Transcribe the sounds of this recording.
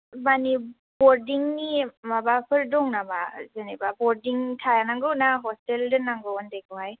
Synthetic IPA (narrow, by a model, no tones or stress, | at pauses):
bani | bɔɾdiŋnimabapʰɯɾdɔŋnaba̰zanebabɔɾdiŋtʰajanaŋɡɯwnaɦɔsteldɯnaŋɡɯwɔndeɡɯhaj